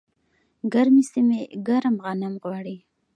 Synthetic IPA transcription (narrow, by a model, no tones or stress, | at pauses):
ɡaɾmisimeɡaɾamɣɑnamɣwɑɽi